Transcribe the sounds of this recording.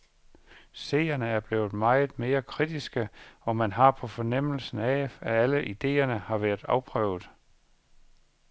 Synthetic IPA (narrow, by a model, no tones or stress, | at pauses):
se̝̰ːɐnəæɐb̥le̝̰ːʊð̞̩ˠmɑ̈ɪð̩ˠme̝ːɐkʰʁid̥isɡ̥əɒ̽mænɦɑ̈pʰɒ̽fɒ̽nem̰l̩sn̩æææləʔid̥e̝̰ːɐnəhɑ̈ʋæːɐð̥ˠɑ̈ʊpʰʁœ̰ːʊð̩ˠ